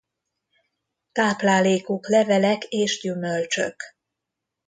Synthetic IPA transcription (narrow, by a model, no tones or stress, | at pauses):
k̪aːplaːleːkoklɛvɛlɛkeːʃɟymølt͡ʃø̰k